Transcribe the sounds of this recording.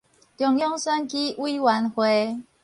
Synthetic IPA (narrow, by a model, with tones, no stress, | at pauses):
tjɔ˨˩ŋjɔ˦˥ŋsə˦nki˦ʔwi˦wa˨˦nxwe˨˦